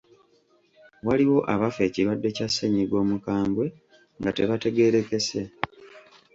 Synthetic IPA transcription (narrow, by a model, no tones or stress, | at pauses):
waliwo̞ʔaβafe̞ːciɾwadːe̞casːeɲiɡo̞ːmukaːmbwe̞ | ŋɡate̞βate̞ɡe̞ɾe̞ke̞se̞